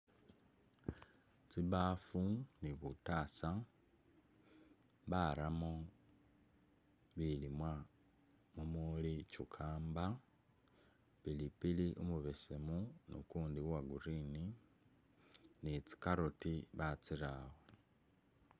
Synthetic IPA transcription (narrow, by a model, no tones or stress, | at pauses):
t͡siβafuniβutaːsa | βaɾamo | βilimwa | mumulit͡ʃukʰaːmba | pilipiliʔumuβesemunṵkuːndiwaɡuɾini | nit͡si̥kaɾotiβat͡siɾawe